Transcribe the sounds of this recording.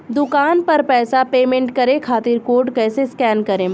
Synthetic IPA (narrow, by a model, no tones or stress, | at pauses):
d̪ʊkaːnpɐɾpɛːsapeːmẽɳʈkɐɾẽkʰaːt̪ɪɾkoːɾɖkɛːseskɛːnkɐɾẽ